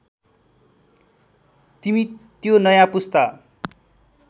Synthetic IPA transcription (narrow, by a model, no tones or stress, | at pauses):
t̪imit̪jonʌjãpust̪ʌ